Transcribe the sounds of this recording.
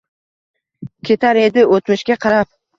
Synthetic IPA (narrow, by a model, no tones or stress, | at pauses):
kʲʰet̪ʰaɾe̞d̪ɪot̪mɪʃkʲaqʰɑɾap̚